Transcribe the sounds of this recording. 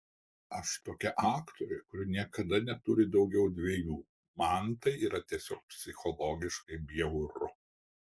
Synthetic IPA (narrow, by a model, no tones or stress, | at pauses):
ɐʃt̪oːkʲɛʔɑːkt̪oːɾʲɛɪkʊɾʲɪnʲiɛkɐd̪ɐnʲɛt̪ʊɾʲɪd̪ɒʊɡʲɛʊd̪ʲʋʲeːjuː | mɐnt̪ɐɪiːɾɐt̪ʲiɛsʲoːk̚pʲsʲɪxɔlˠoːɡʲɪʃkɐɪbʲɪjɛʊɾʊ